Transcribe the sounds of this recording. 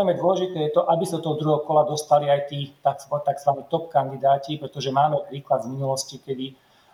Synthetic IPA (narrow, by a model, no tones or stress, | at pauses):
ɛjmɛd̪ʊɔlɛʒit̪ɛːjɛt̪ɔʔabisat̪ɔɦd̪ɾuɦɔkɔlad̪ɔst̪aliajt̪iːt̪azɔt̪aɡzʋaɲɛːt̪ɔp̚kand̪id̪aːcipɾɛt̪ɔʒɛmaːmɛpɾiːklad̪vminulɔscikɛd̪i